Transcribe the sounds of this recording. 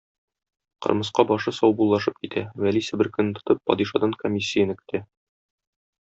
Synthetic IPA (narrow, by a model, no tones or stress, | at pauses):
qɤ̰̆ɾmɤ̆sqɑbɒʃɤsɒwbulˠːɑʃɤp̚kit̪ʰæwælisɘbɘɾkɵ̆nt̪ŏ̥t̪ɤpːɒ̰d̪iʃɑd̪ɑŋkomʲisʲːijənɘ̆kɵ̥̆t̪ʰæ